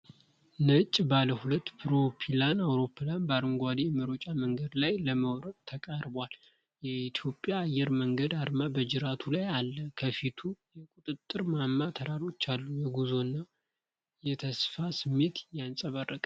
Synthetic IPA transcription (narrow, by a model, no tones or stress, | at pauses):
nət͡ʃʼːbaləhulət̪ːpʰɨɾo̞pʰilanawɾo̞pʰːɨlanbaɾɨŋɡʷad̪ijɛməɾo̞t͡ʃʼaməŋɡəd̪lajləməwɾənt̪ʰəkʼaɾbwal | jɛit̪ʰjo̞pʼːjaːjːɛɾməŋɡəd̪aɾmabəd͡ʒɪɾat̪ʰulajalːəkʰəfit̪ʰujɛkʼut̪ʼɨt̪ʼːɨɾmamːat̪ʰəɾaɾo̞t͡ʃːalːujɛɡuzo̞nːa | jɛt̪ʰəsfasɨmːet̪jansʼəβərːəkʼ